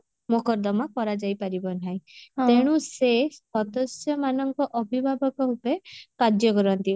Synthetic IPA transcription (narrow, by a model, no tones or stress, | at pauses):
mokɔɾd̪ɔmɔkɔɾad͡ʒajpaɾibɔn̤aj̃t̪eɽ̃ũsesɔt̪ɔsjɔmanɔŋkɔʔɔbʱibʱabɔkɔɦupekad͡ʒjɔkɔɾɔnt̪i